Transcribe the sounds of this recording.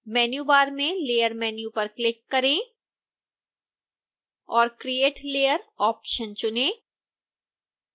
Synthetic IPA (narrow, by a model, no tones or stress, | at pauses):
mɛːnjuːbaːɾmẽleːjəɾmɛːnjupɐɾklɪkːɐɾẽː | ɔːɾkɾieːʈleːjəɾɔːpʃənt͡ʃʊnẽː